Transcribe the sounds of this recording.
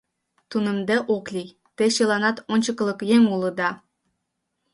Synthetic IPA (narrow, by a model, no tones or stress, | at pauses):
t̪unə̆md̪eʔoklʲij | t̪eɕɤlˠɑnɑt̪onʲt͡ɕɤklˠɤ̆kjeŋulˠɤ̆d̪ɑ